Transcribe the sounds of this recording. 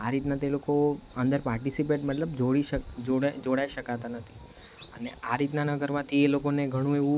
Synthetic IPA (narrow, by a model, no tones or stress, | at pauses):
aɾit̪nat̪elokoənd̪əɾpaɾʈisipeʈmət̪ləbd͡ʒoɽiʃəkd͡ʒoɽd͡ʒoɽaiʃəkat̪anət̪ʰi̥ | əneaɾit̪nanəɡəɾmãt̪ʰielokoneɡʱəɽ̃ũeʋũ